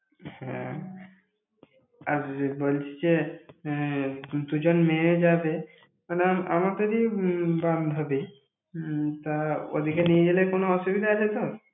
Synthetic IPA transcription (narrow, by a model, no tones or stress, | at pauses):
hɛ̰̃ | aɾbolt͡ɕʰi̥d͡ʑe | t̪ud͡ʑonmed͡ʑabe | maneaamat̪eɾiband̪ʱɦɔbe | t̪ao̰d̪ʱikenied͡ʑelekonoɔʃubid̪ʱaad͡ʑat̪o